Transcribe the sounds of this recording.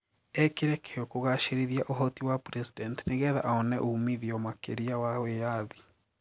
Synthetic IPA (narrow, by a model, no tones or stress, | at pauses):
ɛkeɾɛkeɔkoɣaʃeɾeðiaʔoɦɔtiwapɾɛsidɛntineɣɛða̰ʔaɔnɛʔuumiðiɔmakeɾiawawejaði